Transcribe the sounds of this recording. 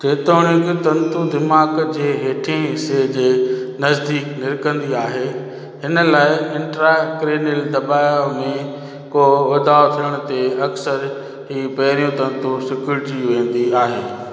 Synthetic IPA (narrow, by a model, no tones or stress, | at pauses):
tʰeːt̪oːɽ̃ɪkt̪ɐ̃nt̪ud̪ɪmaːɡd͡ʑeːɦeːʈʰẽsed͡ʑeːnɐzd̪iːknɪɾkə̃nd̪iaːɦe | ɦɪnəlaːɪɪ̃ɳʈɾakɾeːnɪld̪ɐbaːjomẽ | koɐd̪aːot̪ʰiəɽ̃ʊt̪eɐksəɾ | ɦiːpɐɦɾijũt̪ɐ̃nt̪usɪkjuɾɪʈiʋẽːn̆d̪iaːɦeː